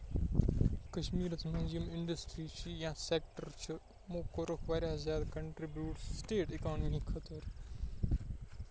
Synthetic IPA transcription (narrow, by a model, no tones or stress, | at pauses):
kɐʃmiːɾɐt̪ʰmɐ̃ːzijəmɪ̃ɳɖəsʈɾiːt͡ʃʰijãːseːk̚ʈəɾt͡ʃʰɐ | mõːkoɾəkʰʋaːɾjaːzjaːd̪kɐ̃ɳʈɾibjuːʈssʈeːʈɪkɔːnmikʰɐt̪əɾ